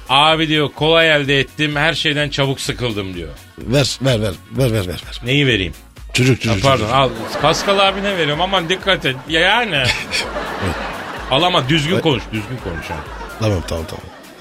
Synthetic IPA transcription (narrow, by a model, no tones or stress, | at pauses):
aːbid̪ijokʰo̞lˠajælʲd̪ɛɛt̪ːimhæɾʃe̞jd̪ænt͡ʃʰaβuksɯkʰɯlˠd̪ɯmd̪ijo̰ | væɾvæɾvæɾvæɾvæɾvæɾvæɾ̥ne̞jive̞ɾḭːm | t͡ʃʰod͡ʒuk̚t͡ʃʰod͡ʒupʰaɾd̪onalˠpʰaskalˠaːɾbinɛve̞ɾijmamad̪ikːat̪injajaːnɪ | ɛɛalˠamad̪yzɡʲynko̞nuʃd̪yzɡɟynkʰo̞nuʃa̰nt̪ʰamamt̪ʰaa̰mt̪ʰa̰ma̰m